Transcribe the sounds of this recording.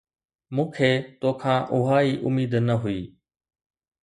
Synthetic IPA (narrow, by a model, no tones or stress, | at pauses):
mũːkʰeːt̪oːkʰãːʔʊɦaːiːʔʊ̰miːd̪nəɦʊiː